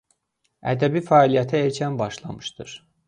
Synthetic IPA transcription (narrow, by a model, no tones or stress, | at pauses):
æ̰d̪æbifæːlijæt̪ʰæeɾcʰænbɑʃlˠɑ̰mɯʃt̪ɯɾ̥